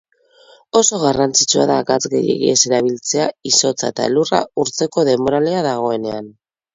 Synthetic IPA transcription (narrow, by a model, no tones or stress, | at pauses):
o̞so̞ɣ̞arant͡sit͡ʃua̰ðakat͡sɣḛjḛɣḭese̞ɾaβ̞ilt͡se̞aiso̞t͡saet̪aelura̰uɾt͡se̞ko̞ðe̞mo̞ɾaleaðaɣ̞o̞e̞ne̞an